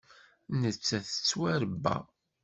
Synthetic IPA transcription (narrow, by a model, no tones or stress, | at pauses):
nət͡sːæθə̥t͡sːwæɾəbːæ̰